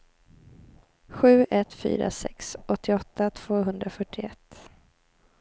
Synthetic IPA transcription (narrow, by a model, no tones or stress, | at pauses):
ɧʉ̟ːʔɛt̪fy̰ːɾa̰sɛ̰ksʔɔt̪ʰːɪɔt̪ʰːat̪ʰv̥oːɦɵnd̪ɾafœʈʰːɪɛt̪ː